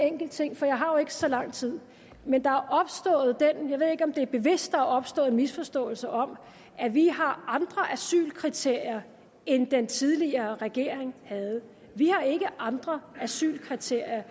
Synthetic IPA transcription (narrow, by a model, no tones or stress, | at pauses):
eŋ̰ɡ̥l̩d̥t͡sʰe̝ŋ̰fɒ̽jɑ̈ɪɦɑ̈jo̝e̝ɡ̥ə̥sɒ̽lɑ̈ŋ̰t͡sʰið̰ˠ | mend̥ɑ̈æɐʔɒ̽b̥sd̥ɔ̰̽ːð̩ˠd̥enjɑɪʋe̝ð̰ˠe̝ɡ̥ɒ̽md̥e̝æɐb̥e̝ʋe̝sd̥ːɑ̈æɐɒ̽b̥sd̥ɔ̽ːð̩ˠenmisfɒ̽sd̥ɔ̰̽ːl̩səʔɒ̽m | ʔæʋiɦɑ̈ɑ̈nd̥ʁɐʔæsy̰ːlkʰʁit͡sʰe̝ɐ̰jɐ | end̥ent͡sʰið̞ˠliɐːʁɛɡ̥e̝̰ɐ̰eŋhæð̞̩ˠ | ʋihɑ̈e̝ɡ̥əʔɑ̈nd̥ʁɐæsy̰ːlkʰʁit͡sʰe̝ɐ̰jɐ